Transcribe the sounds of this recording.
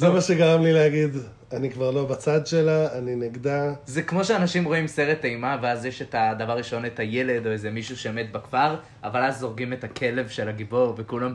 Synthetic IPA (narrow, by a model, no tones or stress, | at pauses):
zemaʃeɡaʁamlileaɡid̪ | anikvaʁlo̞bat͡sadʃe̞laːnineɡd̪azekmo̞ʃeanaʃimʁo̞imse̞ʁetaimaveazjeʃetad̪avaʁːiʃo̞netaje̞le̞do̞ezemiʃuʃejomet̪bakfaʁ | avalazːo̞ʁɡimetakʰe̞le̞vʃelaɡibo̞ʁvekulam